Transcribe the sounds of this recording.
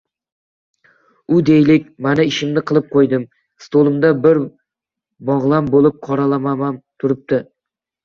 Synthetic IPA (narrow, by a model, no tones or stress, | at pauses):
ʊd̪ejlɪkʲmanɪɪʃɪmnɪqʰɨlˠɪp̚qʰojd̪ɪm | st̪ʰolˠɪmd̪abɪɾ | bɒʁlˠambolˠɪp̚qʰɒɾalamamant̪ʰʊɾɪp̚t̪ɪ